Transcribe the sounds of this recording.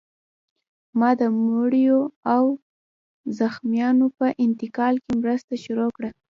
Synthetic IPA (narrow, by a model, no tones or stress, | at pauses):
mɑd̪əmoɽjoaw | zaxmjɑnopəʔɪnt̪ɪkɑlkemɾəst̪aʃʊɾokɽa